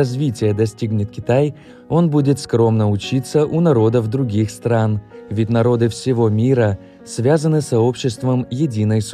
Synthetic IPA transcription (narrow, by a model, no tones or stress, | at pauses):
ɐzvʲitʲɪjəd̪ɐsʲtʲiɡnʲɪt̪kʲɪ̥t̪aj | o̞nbudʲɪt̪skɾo̞mnəʊt͡ɕit̪səʔʊnɐɾo̞d̪əvd̪ɾʊɡʲixst̪ɾanvʲɪtʲnɐɾo̞d̪ɨfsʲɪvo̞mʲiɾə | svʲazənɨsɐo̞pɕːɪst̪vəmjɪdʲinəjs